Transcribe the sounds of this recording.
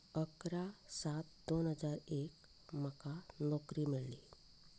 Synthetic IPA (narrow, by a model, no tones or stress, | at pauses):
əkɾasaːt̪d̪oːnɦəd͡ʒaːɾeːk | məkanɔːkɾimɪlli